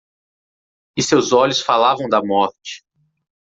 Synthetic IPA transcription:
ɪsewzɔʎʊsfalavɐ̃w̃d̪ɐmɔɾt͡ʃɪ̥

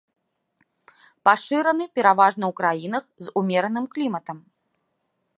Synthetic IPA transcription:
paʂɨɾɐnɨpʲɛɾavaʐnɐwkɾajinɐxzumʲɛɾɐnɨmklʲimɐt̪ɐm

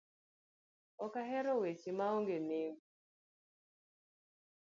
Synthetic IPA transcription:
ɔkaɦɛɾɔwet͡ʃimaoŋɡeneŋɡu

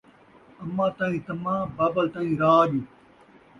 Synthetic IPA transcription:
ɐmːãːt̪ãːĩːt̪ɐmãːbaːbəlt̪ãːĩːɾaːɗiː

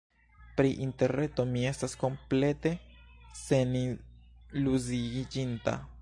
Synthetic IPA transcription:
pɾiʔint̪eɾɾe̞t̪o̞miestasko̞mple̞t̪e̞se̞ni | luziɡid͡ʒint̪a̰

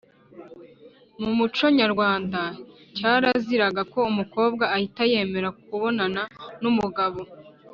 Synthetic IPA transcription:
mumut͡ʃo̞ɲaɾɡwaːnda | caːɾaziɾaɡako̞umuko̞ːb̚ɡaːhitaje̞ːme̞ɾakuβo̞nananumuɡaβo

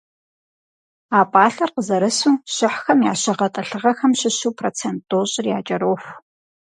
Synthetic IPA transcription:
aːpʼaːɬɐrqəzɐɾɐsuːɕɪħxɐmja̰ːɕɐʁɐtʼɐɬɨʁɐxɐmɕɪɕuːpʰroːt͡sʰentʼːoːɕʼɪrja̰ːt͡ʃʼɐɾoːx

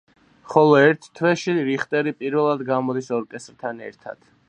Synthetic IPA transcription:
χɔlˠɔɛɾt̪ʰt̪ʰwɛʃiɾiχt̪ʼɛɾipʼiɾvɛlˠad̪ɡamɔd̪isɔɾkʼɛst̪ʼɾt̪ʰanɛ̰ɾt̪ʰa̰d̪̥

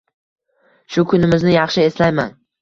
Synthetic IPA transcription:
ʃʊkʰʊnɪmɪznɪjɑχʃɪe̞slajman

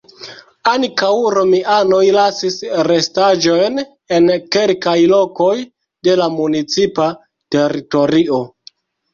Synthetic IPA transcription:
aŋkawɾo̞miʔano̞jlasisɾe̞stad͡ʒo̞jn | e̞nke̞lkajlo̞ko̞j | de̞lamunit͡sipa | te̞ɾito̞ɾio̞

